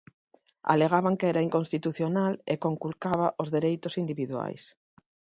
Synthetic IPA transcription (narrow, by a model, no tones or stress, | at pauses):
a̰leɣ̞aβaŋkeɛɾaiŋkonst̪it̪uθjonalekoŋkulkaβaʔozðeɾejt̪osind̪iβiðwa̰js